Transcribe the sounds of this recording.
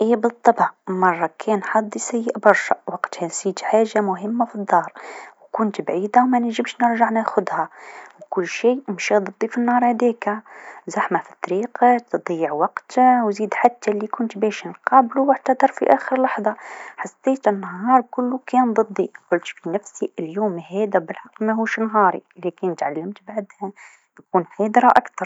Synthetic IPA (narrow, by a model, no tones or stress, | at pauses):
ʔibət̪ˤːɑbʕmɑrˤːɑkʰɛnħɑd̪ˤːisæjːəʔbɑɾˤʃaʔwɑqt̪hænsit̪ħaʒːamʊɦəmːafid̪ˤːɑːɾˤwkʊnt̪bʕid̪awmænəʒəbʃnəɾʒaʕnæxʊd̪hæwkʊlːʃiəmʃid̪ˤəd̪ˤːifinːɑɾˤhæd̪ækæzaħmafit̪ˤːɑɾiqt̪d̪ˤijːəʕwɑqt̪wziːd̪ħat̪ːælːikʊnt̪bɛːʃnqɑːbluwʕt̪ɑd̪ɑɾˤfiʔæːxəɾlɑħðˤɑħɑsˤːeːt̪ɪnːɦɑːɾˤkʊlːukɛːnd̪ˤɨd̪ˤːiqʊlt̪finæfsiʔɪljuːmhɛːd̪æbəlħɑqːmæhuːʃnɦɑːɾˤḭlækɪnt̪ʕalːamt̪baʕd̪hæ | nkuːnħæːd̪ɾaʔakt̪ɑɾˤ